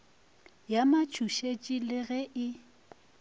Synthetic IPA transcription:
jamat͡ʃʰuʃet͡ʃʼilɪɣɛʔɪ

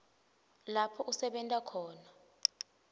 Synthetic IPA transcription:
lapʰɔʔusɛɓɛntʼakʰɔːna

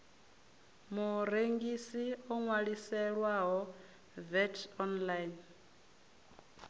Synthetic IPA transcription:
muɾeŋɡisiɔŋwaɺisɛɺwaɦɔ | vɛtʰɔnlajn

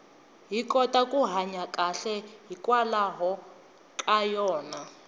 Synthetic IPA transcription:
ɦikʼɔtakʼuɦaɲakʼaɬɛɦikʼwalaɦɔ | kʼajɔːna

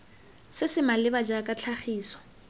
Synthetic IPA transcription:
sɪsɪmalɪbad͡ʒakʼat͡ɬʰaχiːsɔ̥

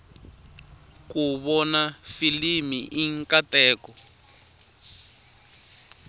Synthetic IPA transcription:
kuβɔnafilimiʔiŋkatɛːkɔ

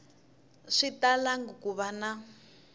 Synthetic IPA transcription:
ʂitalaŋɡukuβana

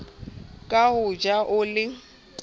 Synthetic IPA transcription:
kʼahʊd͡ʒaʔʊlɪ

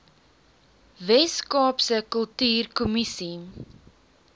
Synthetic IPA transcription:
vɛskɑːpsəkəlˠtyːrkumisi

